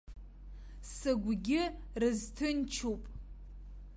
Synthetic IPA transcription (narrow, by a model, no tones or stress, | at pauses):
sɨɡʷɡʲɪrɨztʰɨnt͡ʃʰupʼ